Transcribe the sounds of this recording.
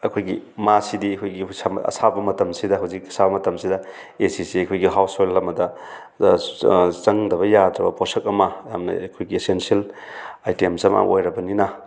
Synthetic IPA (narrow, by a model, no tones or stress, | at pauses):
ɐkʰojɡimasidiɐkʰojɡisamɐ̰sabɐmɐtɐmsidɐɦawzik̚ɐ̥sabɐmɐtɐmsidɐ | esisiɐkʰojɡiɦawsojlːɐmːɐdɐ | t͡ʃɐŋdɐβɐjadɾɐbɐpʰosɐk̚ɐmɐja̰mnɐ̰kʰojɡiesensielajtiemsɐma̰ʔojɾɐbɐninɐ